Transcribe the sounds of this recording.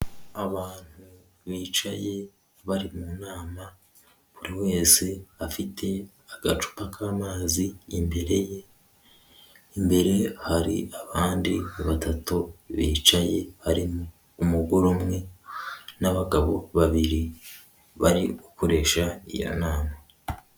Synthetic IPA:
aβaːn̥hu | βiːt͡ʃaje̞ | βaɾimunaːma | βuɾiwe̞ːse̞βafitʰe̞ | aɡ̥at͡ʃu̥pakʰaːmaːziːmbeɾeje | imbe̞ɾe̞haɾḭaβaːndiβatatuβiːt͡ʃaje̞haɾimuː | muɡuɾumŋe̞ | naβaɡaβo̞βaβiɾi | βaɾiuko̞ɾe̞ːʃaḭjo̰naːma

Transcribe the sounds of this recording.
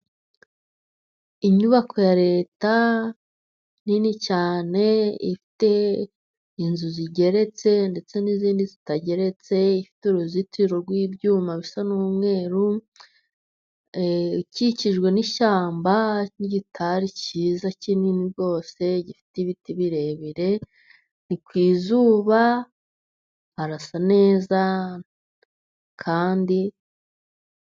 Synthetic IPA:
iɲuβako̞jaɾe̞ːta | ninicaːne̞ifi̥te̞ | inzuziɟe̞ɾe̞t͡se̞nde̞t͡se̞niziːndizitaɟe̞ɾe̞t͡se̞ifi̥tuɾuzitiɾoɾɡwiːbjuːmaβisanuːmŋe̞ːɾu | ciciʒɡwe̞niʃaːmbaniɟitʰaɾiciːzacininiβjo̞ːse̞ɟifi̥tiβitiβiɾe̞βiɾe̞ | nikwiːzuːβa | haɾasane̞ːza | kʰaːndi

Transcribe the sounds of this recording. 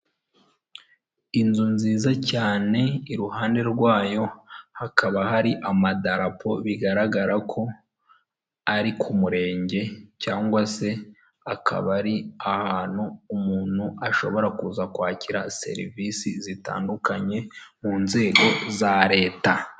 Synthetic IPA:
inzunziːzacaːne̞iɾuɦaːnde̞ɾɡwaːjo̞hakaβahaɾiʔamadaɾapʰo̞βiɡaɾaɡaɾakʰo̞ | aɾikʰumuɾe̞ːɲɟe̞caːŋɡwase̞ | akʰa̰βaɾiahaːn̥huːmuːn̥huaʃo̞̰βo̞ɾakuːzakwaːciɾase̞̰ɾivisizita̰ːndukaɲe̞muːnze̞ːɡo̞zaɾe̞ːta

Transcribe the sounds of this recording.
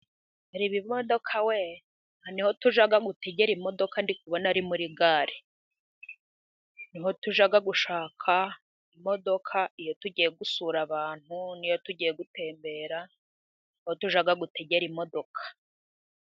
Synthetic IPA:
aɾiβimodo̞kʰawe | haniho̞tuʒaɡaɡute̞ɟeɾimo̞do̞kandik̚uβonaɾimuɾiɡaːɾe | niɦo̞tuʒaɡaɡuʃaːkʰa | imo̞do̞kʰaijo̞tuɟijeɡusuɾaβaːn̥hunijo̞tuɟijeɡute̞ːmbe̞ːɾa | niho̞tuʒaɡaɡute̞ɟe̞ɾimo̞do̞kʰḁ

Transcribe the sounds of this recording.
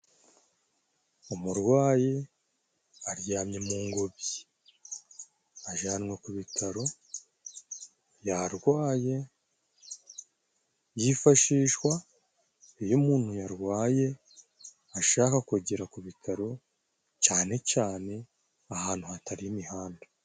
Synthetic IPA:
umuɾɡwaːje | aɾjaːmɲe̞muŋɡoβji | aʒaːnwekuβitʰaɾo̞ | jaɾɡwaːje̞ | jifaʃiːʃwa | ijomuːn̥hujaɾɡwaːje̞ | aʃaːkakuɟiɾakuβitʰaɾo̞ | caːne̞caːne̞ | ahaːn̥huhataɾijimihaːnda

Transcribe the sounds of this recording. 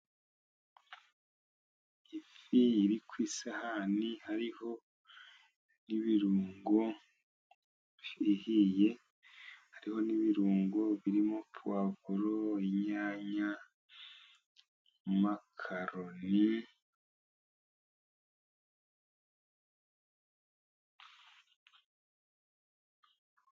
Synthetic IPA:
ifiiɾikwisahanihaɾiho̞ | niβiɾuːŋɡo | ihije̞ | haɾiho̞niβiɾuːŋɡoβiɾimo̞pʰwavuɾoiɲaːɲa | makʰaɾoni

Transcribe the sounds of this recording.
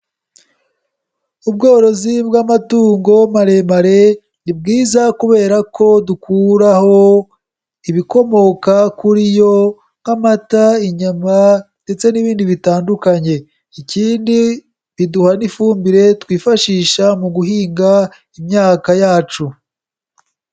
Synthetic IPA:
ub̚ɡoːɾo̞zibɡamatuːŋɡo̞maɾe̞maɾe̞ | nibɡiːzakuβe̞ːɾako̞dukʰuɾaho̞ | iβiko̞mo̞kakuɾijo̞ | ŋɡamataiɲamande̞t͡se̞niβiːndiβitaːndukaɲe̞ | iciːndi | βiduhanifuːmbiɾe̞twiːfaʃiːʃamuɡuɦiːŋɡa | imɲaːkajaːt͡ʃu

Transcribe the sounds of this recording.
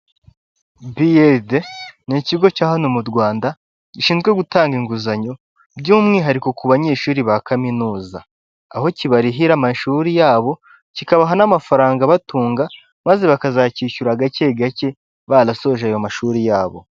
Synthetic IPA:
biedeniciɡo̞caːɦanomudɡwaːnda | ɟiʃiːnzɡwe̞ɡutaːŋɡiŋɡuzaɲo̞ | bɟuːmŋiɦaɾiko̞kuβaɲe̞ːʃuːɾiβakaminuːza | aho̞ciβaɾiɦiɾamaʃuːɾijaːβo̞ | cikaβaɦanamafaɾaːŋɡaβatuːŋɡa | maze̞βakazaciːʃuɾaɡace̞ɡace̞ | βaɾaso̞ʒaːjo̞maʃuːɾijaːβo̞̰

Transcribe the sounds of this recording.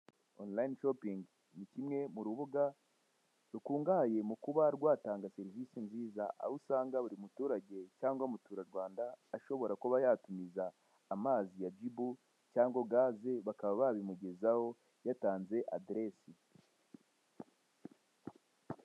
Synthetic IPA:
onlajinʃopiŋɡ | nicimŋe̞muɾuβuɡa | ɾukuːŋɡahaje̞mukuβaɾɡwaːtaːŋɡase̞ɾivisinziːzaʔa̰βusaːŋɡaβuɾimutuːɾaɟe̞caːŋɡomutuːɾaɾwaːndaːʃo̞βo̞ɾakoβajaːtumizaː | maːzijad͡ʒibu | caːŋɡo̞ɡaːze̞βakaβaβaβimuɟe̞zaho̞ | jataːnze̞ʔadɾe̞si

